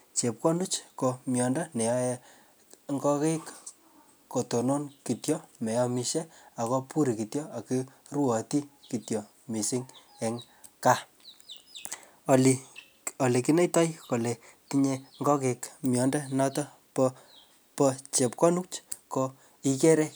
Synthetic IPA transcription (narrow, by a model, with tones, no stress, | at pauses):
t͡ʃe˨p̚kɔ˦nu˦t͡ʃko˧mjɔ˨ndɔ˦nɛ˨jɔ˦jɛ˦ | ŋɡɔ˦ke˦k | ko˨to˨no˦nki˨tjɔ˦mɛ˨jɔ˧mi˨ʃe˦a˨ko˦pu˦ɾi˨ki˨tjɔ˦a˨ki˦ | ru˦ɔ˨ti˦ki˨tjɔ˨ | mi˨si˦ŋ | ɛ˨ŋ | ka˦ | li | o˨le˨ki˦ne˦jtɔ˦jko˨le˨ | tiɲe˦ŋɡɔ˦ke˨kmjɔ˨nda˦nɔ˦tɔ˦ | pɔ | pɔt͡ʃe˨p̚kɔ˦nu˦t͡ʃko˦ | i˦ke˦ɾe˦